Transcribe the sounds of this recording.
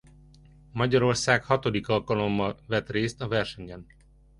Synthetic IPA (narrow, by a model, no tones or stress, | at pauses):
mɒɟɒɾo̞rsaːkhɒt̪o̞d̪ikɒlkɒlo̞mːɒlvɛt̪reːst̪ɒvɛrʃɛɲbɛn